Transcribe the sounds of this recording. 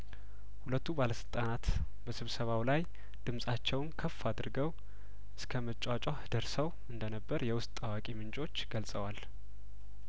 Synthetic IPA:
hulət̪ʰːubaləsɨlt̪ʼanat̪ | bəsɨβsəβawlaj | d̪̥ɨmsʼat͡ʃːɛwnkʰəfːad̪ɾɨɡəw | ʔɨskʰəmət͡ʃʼat͡ʃʼahɨd̪əɾsəw | ɨnd̪ənəbːəɾjɛwʊst̪ʼːawakʼimɨnt͡ʃʼo̞t͡ʃːɡəlsʼəwal

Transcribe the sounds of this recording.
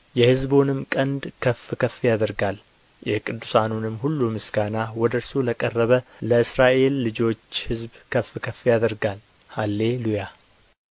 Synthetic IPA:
jɛhɨzbonɨmkʼənd̪kʰəfkʰəfjad̪əɾɡal | jɛkʼɨd̪ːusanunɨmːhulːumɨsɡanawɔd̪əɾsoləkʼərːəβələɨsɾaʔe̞lːɨd͡ʒo̞t͡ʃːhɨzbkʰəfːkʰəfːjad̪əɾɡal | halːe̞luja

